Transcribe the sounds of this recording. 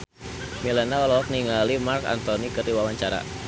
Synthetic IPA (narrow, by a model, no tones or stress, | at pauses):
milɛnaɔlɔɔk̚niŋalimarka̰nt̪ɔnikɨrdiwawaɲt͡ʃaɾa̰